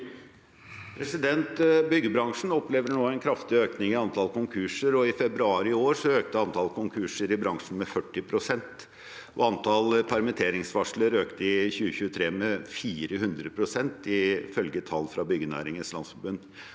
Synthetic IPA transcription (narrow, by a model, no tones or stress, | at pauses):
pʰɾɛsɪd̪ɛnt̪bʏɡːəbɾɑŋʂn̩ɔpleːʋəɳoːæɪnkʰɾɑft̪ɪøːknɪŋɪɑnt̪ʰɑlkʰʊŋkʰʉʂəɾɔɪfɛbɾʉɑːɾɪoːɾʂɔøːk̚t̪əɑnt̪ʰɑlkʰʊŋkʰʉʂəɾɪbɾɑŋʂn̩mɛfœʈːɪpʰɾʊsɛnt̪ | ʔɔɑnt̪ʰɑlpʰæɾmɪt̪ʰeːɾɪŋsʋɑʂləɾøːkt̪əɪçʉːəçʉːət̪ʰɾeːmɛfiːɾəhʉnd̪ɾəpʰɾʊsɛnt̪ɪfœlɡət̪ʰɑlːfɾɑbʏɡənæ̰ːɾɪŋənslɑ̰nsfɔɾbʉnd̪